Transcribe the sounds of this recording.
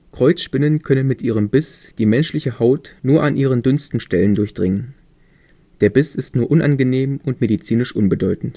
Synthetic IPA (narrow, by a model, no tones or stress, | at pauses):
kʁ̥ɔʏt͡sʃpɪnənkʰœnənmɪtʔiːʁ̞əmbɪsd̥iːmɛnʃlɪçəhaʊtnuːɐʔanʔiːʁ̞əndʏnstn̩ʃtɛləndʊɐçd̥ʁɪŋən | d̥eːɐbɪsɪstnuːɐʔʊnʔanɡəneːmʊntmedit͡siːnɪʃʔʊnbədɔʏtn̩t